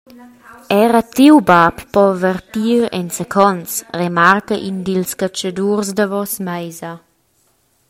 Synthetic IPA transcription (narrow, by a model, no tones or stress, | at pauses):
ɛɾat̪iwbappɔvərtiːɾɛ̰nsekʰɔnt͡sremarkaʔindilskat͡ʃadursdavɔsmajza